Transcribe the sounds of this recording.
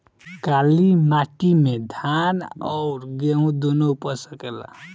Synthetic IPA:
kalimaʈimed̪ʱanʌwɾɡeũd̪onopʌsʌkela̰

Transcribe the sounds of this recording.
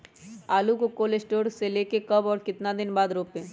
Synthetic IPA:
aːlukokoːlesʈoːɾseleːkekɐbɔːɾkɪt̪nad̪ɪnbaːd̪ɾoːpẽː

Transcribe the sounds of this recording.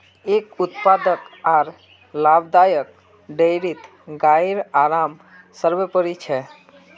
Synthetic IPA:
eːkʊt̪paːd̪əkaːɾ | laːbd̪aːjək̚ | ɖeɪɾit̪ | ɡaːiɾaːɾaːm | səɾʋepəɾit͡ʃʰɛ

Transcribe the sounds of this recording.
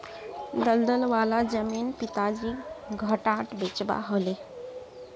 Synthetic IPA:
d̪əld̪əlʋalad͡ʑəmiːnpit̪ad͡ʑiːɡʱəʈaʈbet͡ɕba̰ɦəle

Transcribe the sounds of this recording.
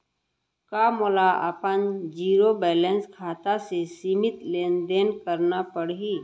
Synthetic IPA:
kaːmʊlaɐ̰pənd͡ʒiːɾobɛːlẽnskʰaːt̪asesiːmɪt̪leːnd̪eːnkəɾnapəɽɦiː

